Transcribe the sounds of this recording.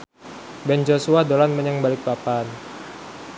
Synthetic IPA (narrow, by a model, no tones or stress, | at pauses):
bɛnd͡ʒosuadolanməɲaŋbalɪk̚bapan